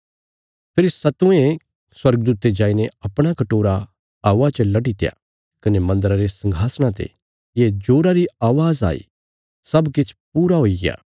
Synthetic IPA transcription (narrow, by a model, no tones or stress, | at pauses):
pʰɪɾsɐt̪ʊ̃ẽ | swɐɾɡ̚d̪uːt̪ed͡ʒaːineɐpɽ̃akɐʈoːɾa | aːʋat͡ʃəlɐʈit̪ɪja̰ | kɐnemɐ̃nd̪əɾaɾesɐ̃ŋɡʱaːsɽ̃ãt̪ḛ | jed͡ʒoːɾaɾiaːʋaːza̰ːḭ | sɐbkɪt͡ʃʰpuːɾaɦoːiɡɪja̰ː